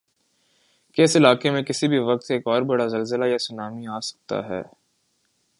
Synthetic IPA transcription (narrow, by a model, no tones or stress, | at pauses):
kɪsɪlaːkemẽkɪsibʱiʋɐq̚t̪eːkɔːɾbɐɽazɐlzɪlajasʊnaːmiaːsɐ̥k̚t̪a̰ɦɛ̰ː